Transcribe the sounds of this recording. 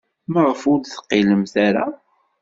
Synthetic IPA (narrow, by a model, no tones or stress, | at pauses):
məʁəfud̪θə̥qːiləmθaɾa̰